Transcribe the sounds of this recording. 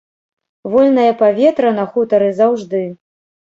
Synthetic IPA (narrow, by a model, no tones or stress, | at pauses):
vɔlʲnɐjɐpavʲɛt̪ɾɐnɐxut̪ɐɾɨzawʐd̪ɨ